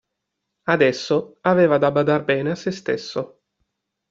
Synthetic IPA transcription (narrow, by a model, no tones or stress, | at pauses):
ad̪ɛsːoaveːvad̪abad̪arbɛːneasːest̪esːo